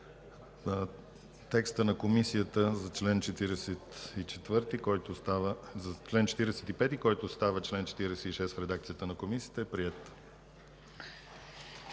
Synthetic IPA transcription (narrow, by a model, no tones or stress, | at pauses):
t̪ɛkst̪ənɐkomisijət̪əzɐt͡ʃlɛnt͡ʃɛt̪iɾɛsɛt̪it͡ʃɛt̪vɤɾt̪ikɔjt̪zɐt͡ʃlɛnt͡ʃɛ̥t̪iɾɛsɛt̪ipɛt̪ikɔjt̪ost̪avət͡ʃlɛnt͡ʃɛ̥t̪iɾɛsɛiʃɛst̪fɾɛd̪ak̚t̪sijət̪ənɐkomisiə̥t̪əɛpɾiɛt̪